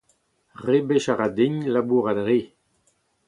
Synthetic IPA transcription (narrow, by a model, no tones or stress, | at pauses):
ʁebeʃaʁad̪iɲlabuːʁad̪ʁe